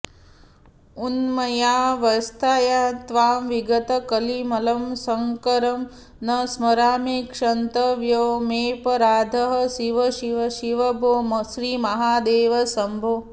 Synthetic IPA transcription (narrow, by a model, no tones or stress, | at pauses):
unmɐjaːʋɐst̪ʰaːjaːt̪ʋaːmʋiɡɐt̪ɐkɐlimɐlɐmsɐŋkɐɾɐm | nɐsmɐɾaːmekʂɐnt̪ɐʋjoːmeːpɐɾaːd̪ʱɐɦɐ̆ʃiʋɐʃiʋɐʃiʋɐbʱoːmʃɾiːmɐɦaːd̪eːʋɐsɐmbʱo